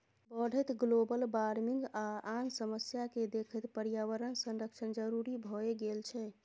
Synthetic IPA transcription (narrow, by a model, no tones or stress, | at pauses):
bəɽ̤ʱət̪ɡlobəlbaɾmiŋɡaansəməsjaked̪ekʰət̪pəɾjawəɾənsə̃nɾəkt͡ʃʰənd͡ʒəɾuɾibʱɔeɡelt͡ʃʰɛ